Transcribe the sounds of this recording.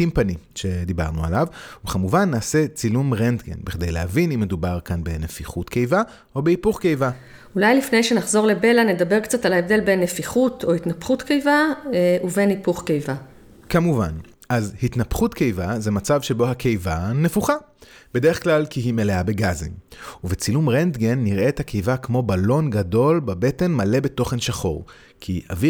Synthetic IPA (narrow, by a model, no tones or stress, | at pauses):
impanimʃe̞d̪iba̰ʁnua̰lavuχamuvanːaːse̞t͡silumʁend̪ɡḛnbeχd̪ejleavinimːedubaʁkanbenefiχutkejva | o̞beipuχke̞jva | ulajlifnejʃe̞naχzo̞ʁle̞be̞lane̞dabe̞ʁkt͡satalaevde̞lbe̞nːefiχutʰo̞hitnapχutkejvauve̞nipuχkejva | kamuva̰n | ʔazhitnapχutke̞jvaze̞mat͡savʃe̞bo̞hake̞jvanefuχa | b̥e̞de̞eχklalkiɦimeleabe̞ɡazḭmuvet͡silumʁend̪ɡenːiʁʔe̞thakʰe̞jvakmo̞balo̞nɡado̞lbabe̞te̞nmale̞be̞to̞χe̞nʃaχo̞̰ʁ | kʰia̰vi